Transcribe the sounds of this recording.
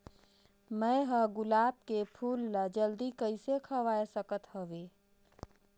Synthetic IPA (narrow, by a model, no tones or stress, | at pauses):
məeɦəɡʊlaːb̚kepʰuːlːad͡ʒəld̪ikəɪsekʰəʋaːesəkət̪həʋe